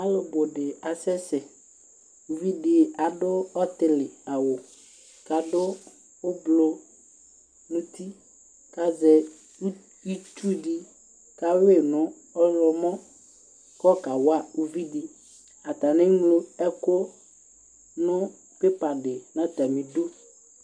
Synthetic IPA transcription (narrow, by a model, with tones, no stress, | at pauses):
a˦lʊ˨bʊ˨ɖɪ˨a˨sɛ˦sɛ˨ | u˨vi˦dɪ˨a˨dʊ˦ɔ˦t̪ɪ˨lɪ˨a˨wʊ˨ | ka˨dʊ˦ | ʊ˦blo˦ | nʊ̃˦t̪i˦ | ka˨zɛ˨˦ | i˦tu˦ɖi˦ | ka˨we˦˨nʊ̃˦ | ɔ˦lɔ˨mɔ̃˦ | kɔ˦ka˨wa˦u˨vi˦dɪ˨ | a˨t̪a˨nɪ̃˦ŋlo˦ɛ˦ko˦ | nʊ̃˦ | pe˦pa˨ɖɪ˨nã˦t̪a˨mĩ˨do˦